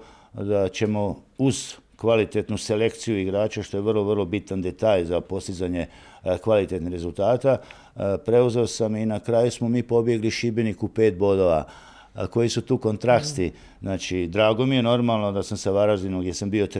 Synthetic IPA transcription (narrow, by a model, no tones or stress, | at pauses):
d̪at͡ʃe̞mo̞uz̥kʋalit̪e̞t̪nuse̞le̞kt̪sijuiɡɾaːt͡ʃaʃt̪o̞jeʋərlˠo̞ʋərlˠo̞bit̪and̪e̞t̪aːʎzapo̞st̪id̪zaɲe̞ | kʋalit̪et̪nihɾe̞zulˠt̪aːt̪a | pɾe̞uze̞osaminakɾaːjusmo̞miːpo̞bje̞ɡliʃibenikupe̞ːt̪̚bo̞d̪o̞ʋa̰ | ko̞jisut̪uːko̞nt̪ɾakst̪i | znaːt͡ʃid̪ɾaːɡo̞mije̞no̞ɾmalˠno̞d̪asamsaʋaɾazinomɡd̪ʲje̞sambio̞t̪